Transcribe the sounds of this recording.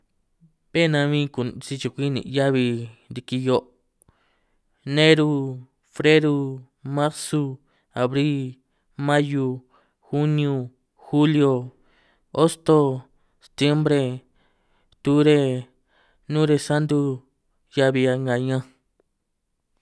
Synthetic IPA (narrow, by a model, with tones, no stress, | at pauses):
βe˦˨nã˧βĩː˦ku˨t͡si˧t͡ʃu˨˧kʷi˦nḭ̃˨˧ja˦βi˧nd̪i˧ki˧jo˧˦ʔ | nẽ˦ɾu˧ | fɾe˦ɾu˧ | mã˦ɾsu˧ | a˨βɾi˦ | mã˦ju˧ | xu˦nĩ˧ũ˧ | xu˦ljo˧ | o˦st̪o˧ | se̥˧t̪je˦mbɾe˧ | t̪u˦ɾe˧ | nũ˦ɾe˧sa˦nd̪u˧ | ja˧βi˧a˧ŋɡa˧ɲã˦